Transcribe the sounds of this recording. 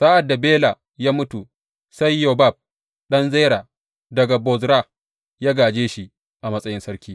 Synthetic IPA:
saː˦ʔa˨dːa˨beː˦la˨ | jaː˦mʊ˦tu˨ | sa˦jːo˨ba˦˨b̚ | ɗɐ˦nze˦ɾaː˨ | dɐ˨ɡa˨bɔ˨zɾa˦ | jaː˦ɡaː˨d͡ʒeː˦ʃi˦ | ʔa˨mɐ˦sʼɐ˦jɪ˦nsɐ˦ɾkʲiː˦

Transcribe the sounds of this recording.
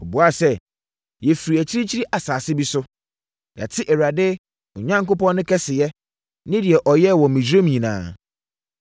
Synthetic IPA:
o˨bu˨˦a˦sɛ˦ | jɛ˨fi˨ɾi˨æ˨t͡ɕʰi˦ɾi˦t͡ɕʰi˦ɾi˦ʔa˨saː˨sɪ˦bi˦sʊ˦ | ja̰˨tʰɪ˦ʔɛ˨ɾa˨dɪ˦ | ʊ˨ɲã˦ŋko˦pɔ̃˦nːʊ̃˦kʰɛ˦sɪ˨jɛ˦ | nɪ̃˦dɪ˨ɛ˨ʔɔ˨jɛ˦˨wɔ̃˨mĩ˨d͡ʑᶣɾo˦mĩ˨nã̰ː˨

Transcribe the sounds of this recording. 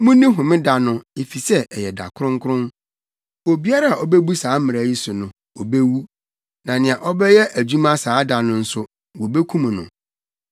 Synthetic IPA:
mʊ̃˦nĩ˦ɦʊ̃˨mɪ̃˦da˨nʊ̃˦ɪ˨fi˨sɛ˦ɛ˨jɛ˨da̰˨kʰʊ˦ɾʊ̃˦ŋkʰʊ˦ɾʊ̃˦n | wo˨bi˦a˦ɾa˦a˨ɔ˨be˦bu˦saː˨˦mɪ̃˨ɾa˨˦ji˦sʊ˨nʊ̃˨ | o˨be˦wu˦ | nã˨nɪ̃˨ã˨ʔɔ˦bɛ˦jɛ˦ʔæ˨d͡ʑu˦mã˦saː˨˦da˨nʊ̃˨n̩˦sʊ˦˨ | wo˨be˦kʰũ˦m̃˨nʊ̰̃˨

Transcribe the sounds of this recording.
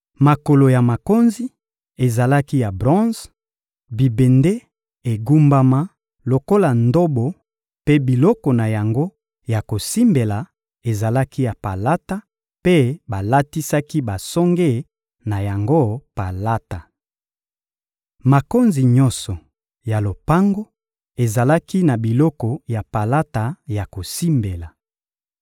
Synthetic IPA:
ma˨ko˨lo˨ja˨ma˨ko˦nzi˦ | e˨za˨la˦ki˦ja˨bʁɔ̃˦z | bi˨be˨nde˦ | e˨ɡu˦mba˦ma˦ | lo˨ko˦la˨ndo˦bo˨ | pe˦bi˨lɔ˦kɔ˨na˨ja˨ŋɡo˦ | ja˨ko˨si˦mbe˨la˨ | e˨za˨la˦ki˦ja˨pa˨la˦ta˦ | pe˦ba˨la˦ti˦sa˦ki˦ba˨sɔ˦ŋɡe˦˨ | na˨ja˨ŋɡo˦pa˨la˦ta˨ | ma˨ko˦nzi˨ɲɔ̃˦nsɔ˨ | ja˨lo˨pa˦ŋɡo˦ | e˨za˨la˦ki˦na˨bi˨lɔ˦kɔ˨ja˨pa˨la˦ta˨ja˨ko˨si˦mbe˨la˨

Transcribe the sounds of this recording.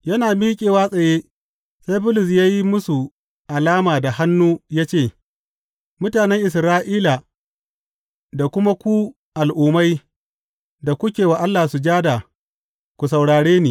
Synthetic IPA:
jɐ˦naː˨miː˦kʲʼeː˨waː˦sʼɐ˨jeː˦ | sa˦jbʊ˦lʊ˨s̬jaː˦ji˦mʊ˦su˨ | ʔa˨laː˦maː˨da˨ha˦nːuː˦jaː˦t͡ʃeː˦˨ | mʊ˦taː˨nɛ˦ŋʔɪ˨sɾaː˦ʔiː˦la˨ | da˨kʷʊ˦ma˦kʷu˦ | ʔa˨lʔuː˨ma˦j | da˨kʷʊ˦kʲeː˨wa˨ʔa˦lːa˨su˨d͡ʒaː˦da˨ | kʷu˨s̬a˨wɽaː˨ɽeː˦niː˨

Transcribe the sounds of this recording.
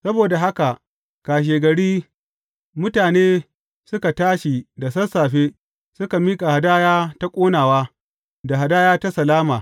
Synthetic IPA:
sɐ˦boː˨da˨ɦa˦ka˨ʔ | kaː˨ʃ̬eː˨ɡɐ˨ɽiː˦ | mʊ˦taː˨neː˦ | sʊ˦ka˨taː˦ʃi˨da˨sɐ˦rsaː˨ɸeː˦ | sʊ˦ka˨miː˦kʼa˨ha˨daː˦jaː˦ta˦kʷʼoː˦naː˨waː˦ | da˨ɦa˨daː˦jaː˦ta˦sɐ˨laː˦maː˨

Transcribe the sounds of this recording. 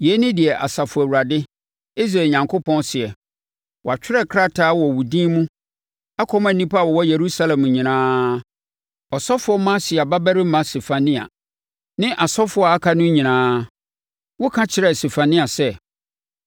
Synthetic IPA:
je˨˦nɪ̃˦dɪ˨ɛ˨ʔa˨sa˨fʊ˨æ˨u˨ɾa˨dɪ˦ | i˦s̬ɾe˨ɲã˨ŋkʰo˦pʰɔ̃˦nsɪ˨ɛ˨ | wɔ˨a˨t͡ɕᶣɪ˦ɾɛ˦kʰɾa˦tʰaː˦wɔ˨wu˨dĩ˦mũ˦ | a˦kʰɔ˦m˦æ̃˨nĩ˦pʰa˦˨ɔ˨wɔ˦je˨ɾu˦sa˦lɛ̃˨m˨ɲĩ˨nãː˦ | ɔ˨sɔ˦fʊ˨˦ɔ˦mã˦sɪ˨a˨ba˦bæ˦ɾɪ˦mã˦se˨fa˨nɪ̃˦a̰˨ | nɪ̃˦ʔa˨sɔ˦fʊ˦ɔ˦˨a˦kʰa˦nʊ̃˦ɲĩ˨nãː˦ | wʊ˦kʰã˦t͡ɕʰɪ˨ɾɛ˦˨ste˨fa˨nɪ̃˦a˨sɛ˦

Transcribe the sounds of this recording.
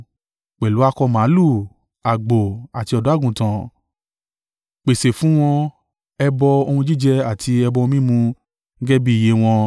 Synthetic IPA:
k͡pɛ˨lu˨˦a˧kɔ˧mã˨˦lu˦˨ | a˨ɡ͡bo˨a˨ti˧ɔ˧˨dɔ˨˦a˦˨ɡũ˨tã˨ | k͡pe˨se˨fũ˨˦w̃ɔ̃˧ | ɛ˧bɔ˧o˧hũ˧d͡ʒi˦˨d͡ʒɛ˧a˦˨tʰi˧ɛ˧bɔ˧wɔ̃˧mĩ˦mũ˧ | ŋ̩˦ɡɛ˦bi˦˨je˨˦w̃ɔ̃˧

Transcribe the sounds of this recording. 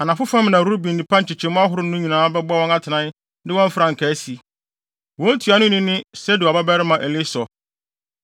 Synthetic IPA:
a˨nã˨fʊ˦fã˦mnã˨ɾu˦u˦bĩ˨n˨nĩ˨pʰã˦ɲ̩˨t͡ɕʰɪ˨t͡ɕʰɛ̃˨˦mʊ̃˦a˦ɦʊ˦ɾʊ˦nʊ̃˦ɲĩ˨nãː˨˦bɛ˦ba˦wɔ̃˦na˦tʰɪ˨nã˦n | dɪ˦wɔ̃˦ɱ˦fɾã˨ŋ̩˨kʰæ˨˦si˨ | wɔ̃˦n˦tʰu˨a˨nʊ̃˦nɪ̃˦nɪ̃˦sɛ˦dɪ˨a˨ba˦bæ˦ɾɪ˦mã˨ʔɛ˨lɪ˦sɔ˨

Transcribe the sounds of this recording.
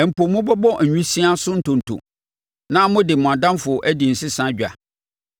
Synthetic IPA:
ɛ˨m̩˨pʰo˨mːʊ̃˦bɔ˦bɔ˦˨ɲᶣĩ˦sĩ˦a˦sʊ̃˦n̩˦tʰʊ̃˨n̩˨tʰʊ̰˨ | nã˦mʊ̃˦dɪ˨mʊ̃˨a˨dã˦mfʊ˨ʔæ˦di˨n̩˨sɪ˦sã˦d͡ʑᶣa̰˨

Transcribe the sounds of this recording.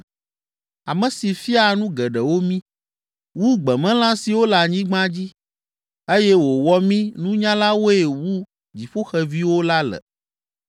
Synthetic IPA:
a˨mɛ̃˨si˨fi˦a˨nũ˦ɡɛ˨ɖɛ˨wo˦mĩ˦ | wu˦ɡ͡bɛ˨mɛ̃˦lã˦si˨wo˦la˨ɲĩ˦ɡ͡bã˦d͡ʑi˦ | e˦jɛ˦wo˨wɔ˦mĩ˦nũ˦ɲã˦la˦wo˦e˨wu˦ | d͡ʑi˨ɸo˦xɛ˨vi˦wo˦la˦lɛ̰˨

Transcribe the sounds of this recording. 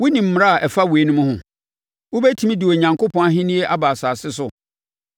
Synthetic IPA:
wʊ˦nĩ˨m̩˦m˦ɾa˦a˨ʔɛ˨fa˦we˨˦nʊ̃˦mʊ̃˦hʊ̃˨ | wʊ˦bɛ˦tʰĩ˦m̃˦dɪ˨o˨ɲã˨ŋko˦pʰɔ̃˦a˦ɦĩ˦nĩ˦e˦ʔa˦baː˨saː˨sɪ˦sʊ˨

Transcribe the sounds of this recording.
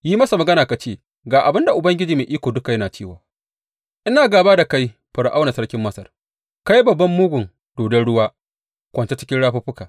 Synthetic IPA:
jiː˦mɐ˦sa˨mɐ˨ɡɐ˦naː˨ka˨t͡ʃeː˦˨ | ɡaː˨ʔa˨bɪ˦nda˨ʔʊ˨bɐ˦ŋɡʲɪ˦d͡ʒiː˨meː˨ʔiː˦kʷoː˨dʊ˦ka˨jɐ˦naː˨t͡ʃeː˦˨waː˨ | ʔɪ˦naː˨ɡaː˨baː˦da˨ka˦j | ɸʊ˨ɽʔa˦wna˨sɐ˦ɽkʲɪ˦mːɐ˦sɐ˨r | ka˦ji˦bɐ˨bːɐ˦mːʊ˦ɡʷʊ˨ŋ | d̥oː˨dɛ˦nɽʊ˦waː˦ | kʷɐ˨nt͡ʃe˦t͡ʃɪ˦kʲɪ˦ɽaː˦ɸa˦ɸʊ˦kaː˨

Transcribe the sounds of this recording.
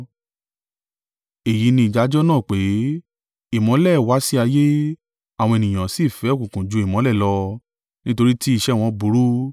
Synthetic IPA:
e˨ji˨˦nĩ˧i˨d͡ʒa˨˦d͡ʒɔ˦nãː˦˨k͡pe˨˦ | i˦˨mɔ̃˨˦lɛ˦˨wa˨˦si˦a˧je˦ | a˨wɔ̃˧e˨nĩ˨j̃ã˨si˦˨fɛ˨˦˨kũ˨kũ˨d͡ʒu˨˦i˨mɔ̃˨˦lɛ˦˨lɔ˧ | nĩ˦to˧ɾi˦ti˦i˦˧ʃɛ˦˨w̃ɔ̃˧bu˨˦ɾu˦

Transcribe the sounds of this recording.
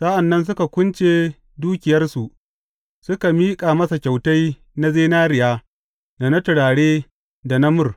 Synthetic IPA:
sa˦ʔa˨nːɐ˦ns̬ʊ˦ka˨kʷʊ˦nt͡ʃeː˦ | duː˦kʲɪ˨jɐ˦rsu˨ʔ | sʊ˦ka˨miː˦kʼaː˨mɐ˦sa˨kʲa˨wta˦j | na˦zeː˦naː˦ɾɪ˨jaː˦ | da˨na˦tʊ˨ɽaː˨ɽeː˦ | da˨nɐ˦mʊ˦r

